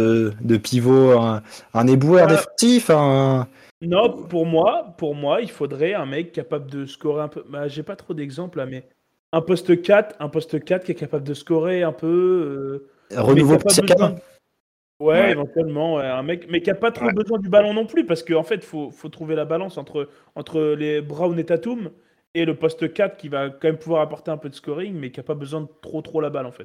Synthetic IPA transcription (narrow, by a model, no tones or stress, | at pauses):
d̪əpivoɛ̃ɛ̃nebuœʁd̪efɑ̃sifɛ̃ | nɔ̃puʁmwapuʁmwailfod̪ʁɛɛ̃mɛkːapabləd̪əskɔʁeɛ̃pøbaʒɛpat̪χod̪ɛɡzɑ̃plamɛ | ɛ̃pɔst̪əkat̪ɛ̃pɔst̪əkat̪kʲɛkapabləd̪əskɔʁeɛ̃pø | ʁənmɛuvoapabəzwɛ̃d̪ | wɛevɑ̃t̪ɥɛlmɑ̃wɛɛ̃mɛkmɛkʲiapat̪χobəzwɛ̃d̪ybalɔ̃nɔ̃plypaʁsə̥kəɑ̃fɛt̪fofot̪χuvelabalɑ̃sɑ̃t̪χə | ɑ̃t̪χəlebʁawnet̪at̪um | eləpɔst̪əkʲat̪χkʲivakɑ̃mɛmpuvwaʁapɔʁt̪eɛ̃pød̪əskɔʁiŋmɛkʲiapabəzwɛ̃d̪ət̪χot̪χolabalɑ̃fɛt̪